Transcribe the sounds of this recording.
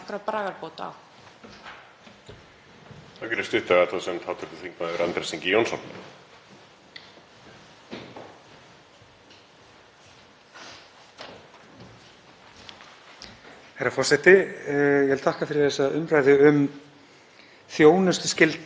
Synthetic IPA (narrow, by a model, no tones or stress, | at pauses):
kɾapɾaːɣaɾpoːwt̪a̰w | θawcɛɾʏ̥st̪ʏht̪aat̪ʰfasɛmt̪ʰaːwt̪ʰɔkʏθiŋkmaðɾant̪ɾɛsiŋcɪjownsɔ̰na̰ | hajɾafɔr̥sɛht̪ɪjɛvɛlt̪ʰahkafɪɾɪ̥θɛsːaðʏmɾajðʏʏm | θjoːwnʏst̪scɪlt̪